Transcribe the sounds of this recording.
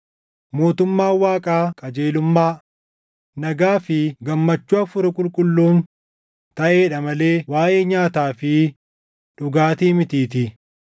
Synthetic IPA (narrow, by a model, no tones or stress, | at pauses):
mo̞ːt̪ʊmːaːwaːkʼaːkʼɐd͡ʒeːlʊmːaː | nɐɡaːfɪɡɐmːɐt͡ʃːʊɐfʊɾɐkʼʊlkʼʊlːuːn | t̪ɐʔe̞ːᶑɐmɐle̞ːwaːʔeːɲaːt̪aːfɪ | ᶑʊɡaːt̪iːmɪt̪iːt̪ɪ